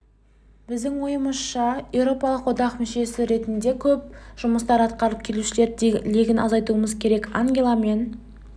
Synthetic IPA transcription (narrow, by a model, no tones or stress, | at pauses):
bɪzd̪ɪŋwo̞jəməsʃɑje̞wɾo̞pɑlˠəqwod̪ɑqmʏʃe̞sɪɾe̞t̪ɪnd̪e̞kʲʰɵp̚ʒ̥ʊməst̪ɑɾɑt̪qɑɾəp̚kʲʰe̞luʃɪle̞ɾleɡʲɪnʔɑzɑjt̪uəməzkʲʰe̞ɾe̞kaŋɡʲelˠame̞n